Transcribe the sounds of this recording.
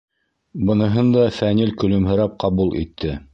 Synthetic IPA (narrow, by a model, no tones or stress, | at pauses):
bɤ̆nɤ̆ɦɤnd̪ɑfænilkɵ̆lɵ̆mɦɘ̆ɾɑp̚qɑβulˠʔḭt̪ʰːɘ